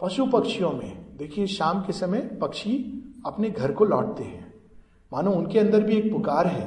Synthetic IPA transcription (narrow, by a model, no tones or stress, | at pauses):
pɐʃupɐkʃijõmḛ̃d̪eːkʰieʃaːmkesɐməjpɐkʃiɐpneɡʱɐɾkolɔ̰ːʈ̚t̪eɦɛ̃ː | maːnõʊnkeɐ̃nd̪əɾbʱieːk̚pʊkaːɾɦɛ̰ː